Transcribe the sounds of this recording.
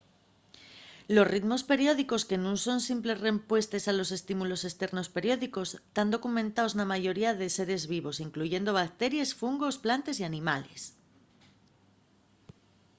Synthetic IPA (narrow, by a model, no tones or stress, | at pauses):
lo̞srid̪mo̞spe̞ɾjo̞ð̞iko̞ske̞nũnso̞nsimple̞zre̞mpwe̞st̪e̞salo̞se̞st̪imulo̞se̞st̪e̞ɾno̞spe̞ɾjo̞ðiko̞st̪and̪o̞kumẽnt̪aoznamaʝo̞ɾiaðe̞se̞ɾe̞zβiβo̞siŋkluʝe̞nd̪o̞β̞ak̚t̪e̞ɾjesfuŋɡo̞splant̪e̞sianĩmale̞s